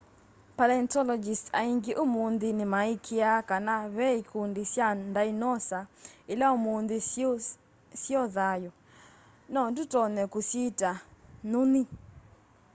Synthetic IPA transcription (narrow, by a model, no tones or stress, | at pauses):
palɛntɔlɔd͡ʒista̰iŋɡeʔomond̪ɪnɪmaikʰiakanaβɛikʰundisjandainɔsaɪlaomond̪e | sjɔðajɔ | nɔdutɔnɛkusitanoni